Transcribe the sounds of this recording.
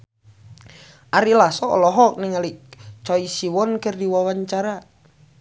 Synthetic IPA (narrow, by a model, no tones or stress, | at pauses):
ʔaɾilasɔɔ̰lɔɦɔk̚niŋalit͡ʃɔisiwɔnkərdiwawaɲt͡ʃaɾa